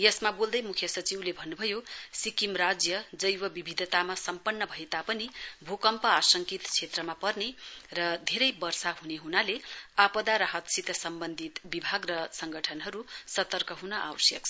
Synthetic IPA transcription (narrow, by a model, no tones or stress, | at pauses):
jʌsmabold̪ʌjmukʰjʌsʌt͡siwlebʱʌnːubʱʌjosikimrad͡zjʌd͡zʌjwʌbibʱid̪ʱʌt̪amasʌmpʌnːʌbʱʌet̪apʌnibʱokʌmpʌasʌŋkit̪t͡sʰet̪rʌmapʌrnerʌd̪ʱeɾʌjbʌrsaɦuneɦunaleapʌd̪aɾaɦʌt̪sit̪ʌsʌmbʌnd̪ʱit̪bibʱaɡrʌsʌŋɡʌʈʰʌnɦʌɾusʌt̪ʌrkʌɦunʌʔawsjʌkʰ